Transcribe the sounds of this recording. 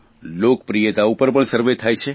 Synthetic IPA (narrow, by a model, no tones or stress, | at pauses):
lokpɾijet̪aupəɾpəɳsəɾʋet̪ʰajt͡ʃʰe